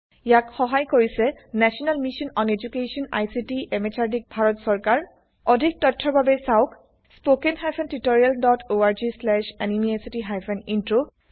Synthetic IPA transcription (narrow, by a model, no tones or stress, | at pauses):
jakxɔɦajkoɹisɛnɛsiɔnalmiʃɔnɔned͡ʒukesɔna̰jsitiemet͡ʃʰaɹdik̚bʱaɹɔtsɔɹkaɹ | ɔdʱik̚tɔtʰːɔɹbʱabɛsaʊk | spokenɦajpʰɛntitoɹialdɔtʰoaɹd͡ʒislɛʃɛnimiajsitiɦajpʰɛnintɹo